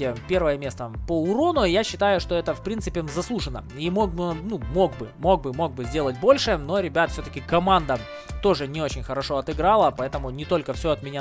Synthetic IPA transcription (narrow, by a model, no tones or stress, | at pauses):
ɪpʲe̞rvəjəmʲe̞st̪əpəʊɾo̞nʊjaɕːɪt̪ajʊʂt̪o̞ɛt̪əfpɾʲint̪sɨpʲɪzɐslˠuʐɨnə̰ | imo̞ɡ̚bɨnumo̞ɡbɨmo̞ɡ̚bɨmo̞ɡ̚bɨzʲdʲe̞lˠət̚ʲbo̞lʲʂɨno̞ɾʲɪbʲat̪fsʲɵt̪əkʲɪkɐmand̪ə | t̪o̞ʐɨnʲɪo̞t͡ɕɪnʲxəɾɐʂo̞ɐt̪ɨɡɾalˠəpɐɛt̪əmʊnʲɪt̪o̞lʲkəfsʲoɐt̪mʲɪnʲa